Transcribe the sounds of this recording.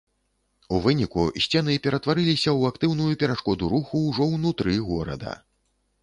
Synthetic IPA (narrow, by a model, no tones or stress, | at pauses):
uvɨnʲikusʲt͡sʲɛnɨpʲɛɾɐt̪vaɾɨlʲisʲɐwakt̪ɨwnujupʲɛɾaʂkɔd̪uɾuxuwʐɔwnut̪ɾɨɣɔɾɐ̰d̪ɐ̰